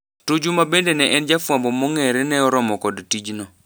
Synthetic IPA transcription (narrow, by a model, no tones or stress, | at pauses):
tud͡ʒumabendenɛʔɛnd͡ʒafwambɔmɔŋɛɾɛnɛɔɾɔmɔkɔdtid͡ʒnɔ